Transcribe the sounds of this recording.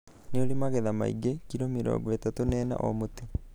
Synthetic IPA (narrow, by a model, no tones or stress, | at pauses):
neolimaɣɛðama̰ḭɡekiɾomiɾo̰βwɛtatonɛːna̰ʔo̰moti